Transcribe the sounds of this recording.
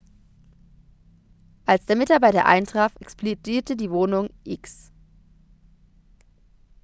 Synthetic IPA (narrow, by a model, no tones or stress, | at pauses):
ʔalsd̥eːɐmɪtaɐbaɪtɐ̰ʔa̰ɪntʁ̥aːfʔɛksplodiːɐtədiːvoːnʊŋʔɪks